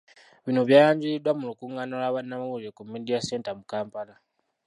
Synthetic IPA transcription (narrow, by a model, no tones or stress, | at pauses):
βinoβjaːjaːɲɟiɾidwamulukuːŋɡanolaːβanːamaβuɾekumidijase̞ːntamukaːmpala